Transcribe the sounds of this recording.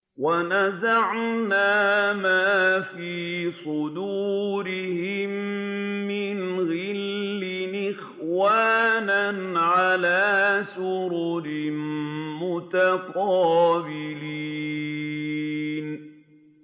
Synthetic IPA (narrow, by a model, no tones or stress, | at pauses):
wanazaʕnaːmaːfiːsˤʊd̪uːɾɪhɪmː | ɪnɣɪlːɪnɪx | waːnanʕalaːsʊɾuɾɪmmʊt̪aqɑːbɪli | n